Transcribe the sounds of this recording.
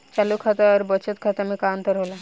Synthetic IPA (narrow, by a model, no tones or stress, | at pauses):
t͡ɕalukʰat̪aəɾbət͡ɕət̪̚kʰat̪amiːkaənt̪əɾɦola